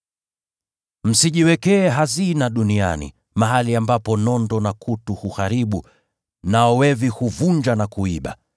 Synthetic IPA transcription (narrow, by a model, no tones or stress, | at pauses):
m̩siʄiwɛkɛːɦazinaɗunia̰nḭ | maɦaliambapɔnɔndɔnakʰutuhuhaɾiɓu | naɔwɛvihuvuɲd͡ʒanakuiɓa̰